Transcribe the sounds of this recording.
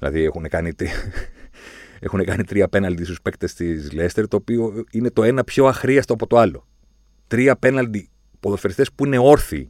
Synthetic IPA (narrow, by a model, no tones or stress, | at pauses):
ilɐ̰ðiexunekɐnit̪ɾi | e̞̰xune̞kɐnit̪ɾiɐpe̞nɐld̪ist̪uspe̞kt̪est̪izle̞st̪eɾt̪o̞ːpio̞ine̞t̪o̞e̞nɐpço̞ɐxɾiɐst̪oɐpo̞t̪o̞ɐlo̞ | t̪ɾiɐpe̞nɐld̪i | po̞ðosfeɾist̪espuine̞o̞ɾθḭ